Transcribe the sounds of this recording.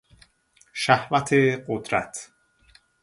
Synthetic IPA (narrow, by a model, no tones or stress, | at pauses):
ʃæhvæt̪ʰeɢod̪ɾæ̰t̪ʰ